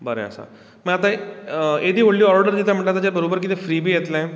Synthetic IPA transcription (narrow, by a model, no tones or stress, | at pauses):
bəɾjã̰ːsa̰ː | mɛ̃ːət̪ãeːd̪iːoːɽlijɔːɾɖəɾd̪iːt̪aməʈːaːt̪aːd͡ʒeːbəɾoːbəɾk̬ɪt̪eːpʰɾiːbiːeːt̪lɛ̃